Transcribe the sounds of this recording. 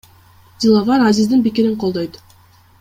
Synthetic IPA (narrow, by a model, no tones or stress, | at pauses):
d̪ʲilˠavɑɾazizd̪inpikiɾiɴqʰo̞lˠd̪ojt̪